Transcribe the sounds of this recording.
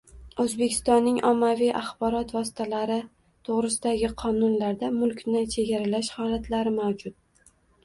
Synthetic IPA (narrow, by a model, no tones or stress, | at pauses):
ɵzbe̞kʲʰɪ̥st̪ɒnːɪŋʔɒmːavijʔaχbɒɾɒt̪vɒsɪ̥t̪ʰalaɾɪ | t̪ʰoʁɾɪsɪd̪aɡʲɪqʰɒnʊnlaɾd̪amʊlˠkʲnɪt͡ʃʰe̞ɡʲaɾalaʃhɒlat̪laɾɪmawd͡ʒʊt̪̚